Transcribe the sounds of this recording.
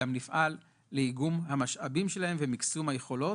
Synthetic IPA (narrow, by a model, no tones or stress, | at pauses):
amnifʔalː | eiɡumhamaʃʔabimʃe̞lahe̞mvemiksumhaje̞χo̞lo̞